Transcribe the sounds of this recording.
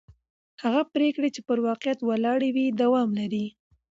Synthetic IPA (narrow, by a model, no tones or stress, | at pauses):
haɣapɾekɽet͡ʃepəɾwɑqjat̪walɑɽawid̪awɑmlaɾi